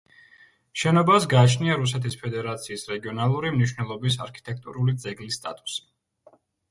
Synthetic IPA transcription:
ʃɛnɔbasɡaːt͡ʃʰniaɾus̬ɛt̪ʰispʰɛd̪ɛɾat̪sʰiːsɾɛɡiɔnalˠuɾimniʃwnɛlˠɔbisa̰ɾkʰi̥t̪ʼɛk̚ʰt̪ʼṵɾulid̪zɛɡlisːt̪ʼa̰t̪ʼu̥si̥

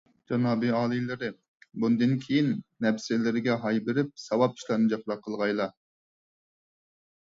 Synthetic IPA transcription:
d͡ʒɑnɑːbɨɑːlˠɨlɨɾɪ | bund̪ɨnkʲʰejinːɛpsɪlɪɾɪɡʲɛɦɑjbɪɾɪp̚sɑwɑp̚i̥ʃlˠɑnɨd͡ʒɑqɾɑqʰːəlˠʁɑjlˠɑ

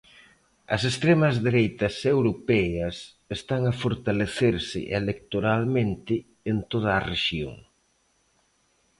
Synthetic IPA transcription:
ɐ̰sest̪ɾɛmɐzðeɾejt̪ɐsewɾopɛjɐs | est̪aŋɐfoɾt̪aleθeɾsɪ̰ʔelek̚t̪oɾalmẽnt̪ɪ | ent̪oð̞ɐːreʃjo̰ŋ

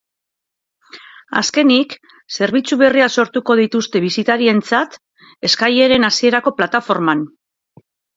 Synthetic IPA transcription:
a̰ske̞nik | se̞ɾβ̞it͡suβe̞riaso̞ɾt̪uko̞ð̞it̪ust̪e̞βisit̪aɾie̞nt͡sat̪ | e̞skaje̞ɾe̞nasie̞ɾako̞plat̪afo̞ɾman

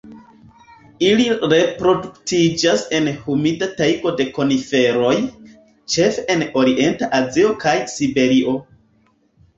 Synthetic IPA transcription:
iliɾe̞pɾo̞duktid͡ʒase̞nhumidatajɡo̞de̞ko̞nife̞ɾo̞j | t͡ʃe̞feeno̞ɾiʔe̞ntaʔazio̞kajsibe̞ɾiʔo̞

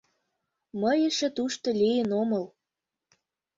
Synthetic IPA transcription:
məjə̆ʃĕt̪uʃt̪olʲijənomɤ̆l

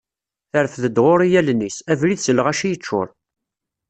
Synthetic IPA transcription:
θəɾəfðəd̪ʁʊɾijælnːisævliðsəlːəʁæʃijət͡ʃːʊ̰ɾˤ

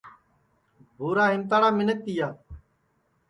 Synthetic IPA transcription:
bʱuːɾaːɦɪmt̪̬aːɽaːmɪnət̪̚ːiːjaː

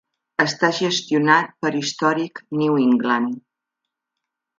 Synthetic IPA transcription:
əst̪aʒəst̪junat̪̚pəɾist̪ɔɾikniwiŋɡlan

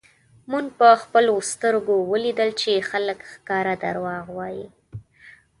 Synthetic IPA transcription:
munpəxpəlost̪əɾɡowəlid̪əlt͡ʃexaləkxkɑɾad̪a̰ɾwɑɣwɑji

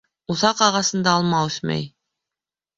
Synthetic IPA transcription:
uθɑqɑʁɑsɤ̆nd̪ɑːlˠmɑɵθmæ̰j

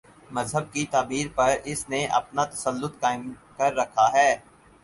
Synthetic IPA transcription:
mɐzɦəb̚kit̪aːbiːɾpɐɾɪsneʔɐ̰pnat̪ɐ̥səlːʊt̪kaːɪmkɐɾːɐkʰaɦɛː

